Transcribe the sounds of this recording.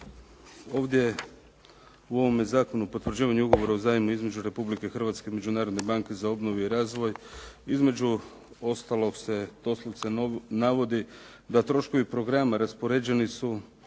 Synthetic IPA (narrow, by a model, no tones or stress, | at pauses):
o̞ːʋd̪je | uo̞ʋo̞mezaːko̞nupo̞t̪ʋr̩d͡ʑiːʋaɲuuɡo̞ʋo̞ɾauzaːjimuizme̞d͡ʑuɾe̞publike̞xr̩ʋat̪ske̞ime̞d͡ʒunaːɾo̞d̪ne̞baŋke̞zao̞bno̞ʋuiɾaːzʋo̞jizme̞d͡ʑu | o̞st̪alˠo̞kse̞t̪oslˠoʋt̪senaʋo̞d̪i | d̪at̪ɾo̞ʃkoʋipɾo̞ɡɾamaɾaspo̞ɾe̞d͡ʑe̞nisu